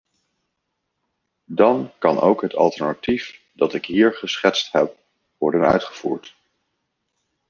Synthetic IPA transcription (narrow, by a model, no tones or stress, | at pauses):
dɑnkɑno̰wkɦətɑ̰lˠtɛɹnatif | dɑtɪkɦiːɹχəsχɛtstɦɛp̚ | ʋɔɹdənœ̰ɥtχəv̥uːɹt